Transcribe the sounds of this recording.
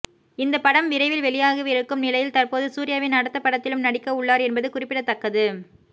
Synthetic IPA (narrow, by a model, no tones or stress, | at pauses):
ɪnd̪ɐpɐɽɐmʋɪɾɐɪʋɪlʋɛɭɪjaːɣɯʋɪɾɯkːɯmnɪlɐjɪlt̪ɐrpoːðɯsuːɾɪjaːʋɪnɐɽɐt̪ːɐpːɐɽɐt̪ːɪlɯmnɐɽɪkːɐʊɭːaːɾɛnbɐðɯkʊrɪpːɪɽɐt̪ːɐkːɐðɯ